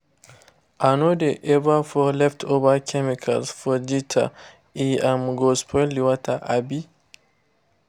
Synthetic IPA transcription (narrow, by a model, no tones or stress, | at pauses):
ʔanodeʔɛbafɔlɛftʰobakʰɛmikʰalsfɔditʰa̰ | iamɡɔspʰɔliwatʰaʔabi